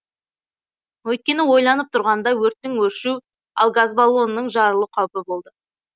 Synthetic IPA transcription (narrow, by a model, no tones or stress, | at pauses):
wɵjt̪̚kʲe̞nɪwo̞jlˠɑnəp̚t̪ʰʊɾʁɑnd̪ɑwɵɾt̪ːɪŋwɵɾʃu | ɑ̰lˠɡazbalˠo̞nːəɴʒɑɾəlˠəqʰɑwpəbo̞lˠd̪ə